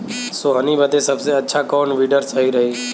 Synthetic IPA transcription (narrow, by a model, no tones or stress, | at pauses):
soːɦənibəd̪esəbseətːʃʰakoːɳʋiːɖəɾsəɦiːɾəɦiː